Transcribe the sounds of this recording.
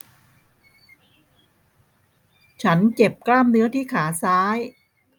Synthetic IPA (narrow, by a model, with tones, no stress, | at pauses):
t͡ɕʰa˦˥nt͡ɕe˨˩p̚klaː˥˩mnɯ˦˥ɐt̪ʰiː˥˩kʰaː˩˦saː˦˥j